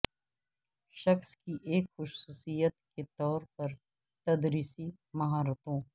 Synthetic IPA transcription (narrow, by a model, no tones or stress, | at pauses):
ʃɐxskiʔeːkxʊʃsuːsijət̪ket̪ɔːɾpɐɾ | t̪ɐd̪ɾiːsi | mɐɦaːɾət̪õː